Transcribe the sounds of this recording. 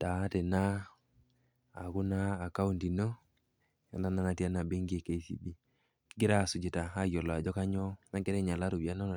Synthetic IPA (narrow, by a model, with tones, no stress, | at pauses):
ta˨˦tɛ˨na˦ | a̰˨kʊ˦na˦a˨ka˦u˦nti˨no˦ | ja̰˨˦nda˦na˦na˨ti˦a˦na˨be˦ŋɡi˦e˦ke˦i˦sḭ˨bi˦ | ɡɪ˦ɾa˦˨sʊ˨d͡ʒɪ˨ta˨a˦jɔ˨la˨d͡ʒɔ˦ka˦ɲɔ˦na˦ɡɛ˦ɾɛ˦ɲa˨la˦ɾu˨bja˦na˦n˨